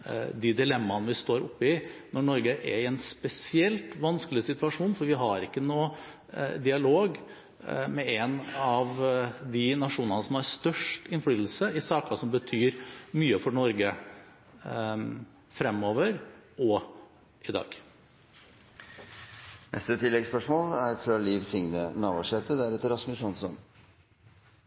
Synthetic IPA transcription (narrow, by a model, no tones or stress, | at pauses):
d̪ɪd̪ɪlɛmːɑnʋɪst̪oːɾʊpːɪnɔɳɔɾɡəʔɛɾɪɛnspɛsɪɛlt̪ʋɑnskəlɪsɪt̪ʉʋɑʂuːnfɔɾʋɪɦɑɾɪkːənuː | d̪ɪɑloːɡ | mɛɛnɑʋd̪ɪnɑʂuːnənəsɔmɑɾst̪œʂʈɪnfɽyːt̪l̩səɪsɑːkɑsɔmbət̪ʰyːɾmyːəfɔɳɔɾɡə | fɾɛmːoːʋəɾɔ | ɪd̪ɑ̰ːɡ̥ | nɛ̰st̪ət̪ʰɪlːɛɡspœʂmoːlæɾfɾɑliːʋsɪŋnənɑːʋɔʂɛt̪əd̪æɾʉːt̪əɾɑsməsɔnsɔ̰n